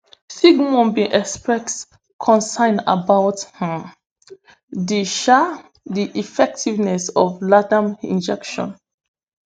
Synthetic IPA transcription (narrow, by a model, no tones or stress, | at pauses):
siɡmɔ̃nbĩʔɛkspɹɛk | kʰɔ̃nsãɪ̃na̰bawthã | diʃa | diʔifɛk̚tivnɛsɔvladãmḭ̃nd͡ʒɛkʃɔ̰̃n